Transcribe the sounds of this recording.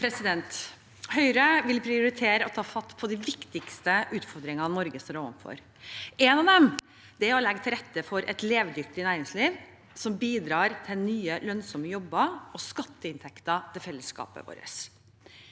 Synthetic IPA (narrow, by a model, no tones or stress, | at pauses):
pʰɾɛsɪd̪ɛnt̪ | hœʏɾəʋɪlpʰɾɪʊɾɪt̪ʰeːɾəɔt̪ʰɑːfɑt̪ːpʰɔd̪ɪʋɪkt̪ɪkst̪əʔʉːt̪fɔɾd̪ɾɪŋɑnɔɾɡəsɔːɾoːʋə̰nfɔ̰ɾ | ɛnɑʋd̪ɛm | d̪̥ɛhɑlɛɡt̪ʰɪɾɛt̪ːəfɔɾʔɛ̰t̪leːʋd̪ʏkt̪ɪnæːɾɪŋsliːʋ | sɔmbiːd̪ɾɑːɾt̪ʰɛnyːəlœnsɔməjɔbːəɔskɑt̪ːəɪnt̪ʰɛkt̪ət̪ʰɪlfɛlːəskɑ̰ːpə̰ʋo̰ːɾə̰s